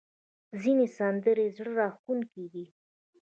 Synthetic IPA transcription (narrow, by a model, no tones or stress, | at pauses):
zinesand̪əɾezɽəɾɑxunkeɡ̪i